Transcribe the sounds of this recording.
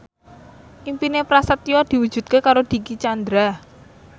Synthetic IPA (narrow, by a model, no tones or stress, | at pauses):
ʔimpinepɾasət̪ijɔd̪̥i̤wud̥ʒ̥ṳt̪̚kekaɾod̪̥i̤kit͡ʃand̪ɾa